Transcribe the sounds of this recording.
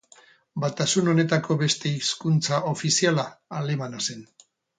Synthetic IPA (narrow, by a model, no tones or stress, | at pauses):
bat̪asuno̞ne̞t̪ako̞βe̞st̪e̞iskunt͡sao̞fisialaːle̞manase̞n